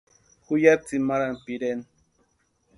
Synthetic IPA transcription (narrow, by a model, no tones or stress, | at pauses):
hʊjat͡simaɾanpiɾen